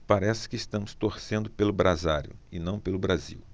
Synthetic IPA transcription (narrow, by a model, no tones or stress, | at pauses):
paɾɛsɪ̥kɪst̪ɐ̃mʊst̪oɾsẽnd̪ʊpelʊbɾazaɾjʊ̰ɪnɐ̃w̃pelʊbɾazḭw